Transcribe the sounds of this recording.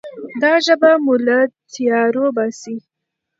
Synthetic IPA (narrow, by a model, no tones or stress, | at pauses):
d̪ɑʒəbamʊlat̪ʰijɑɾobɑsi